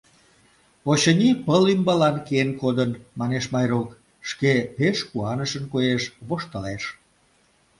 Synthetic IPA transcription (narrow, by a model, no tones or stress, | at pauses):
oɕənʲipəlymbɑlɑnkeenkod̪ənmɑneʃmɑjrok | ʃkepeʃkuɑnəʃənkojeʃβoʃt̪əleʃ